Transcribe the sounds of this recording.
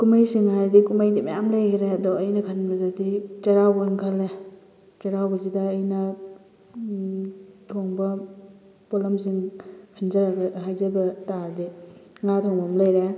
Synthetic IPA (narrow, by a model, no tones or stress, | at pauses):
kumajsiŋhaɾdikumajdima̰jamlajɾeadɔːjnɐkʰanbɐzadit͡ʃɐɾawbaiŋkʰalːe | t͡ʃɐɾawbɐzidaːjna | tʰɔŋbɐ | polams̬iŋkʰanzaɾaɡaɦajzabɐtaɾdiŋatʰɔŋbamlajɾe